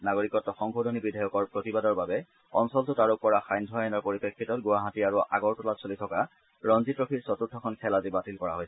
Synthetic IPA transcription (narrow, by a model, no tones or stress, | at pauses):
naɡoɹikɔtːɔxɔŋbodʱonibidʱajɔkɔɹpɹotibadɔɹbabɛ | ɔnsɔltʊtaɹʊk̚pɔɹaxajndʱɔajɔnɔɹpoɹipekʰːitɔt̚ɡʊwaɦatiaɹuʔa̰ɡɔɹtɔlatsolitʰɔka | ɹɔnzitɹokʰisɔtutʰːɔkʰɔnkʰɛlazibatilkɔɹa̰ɦojsɛ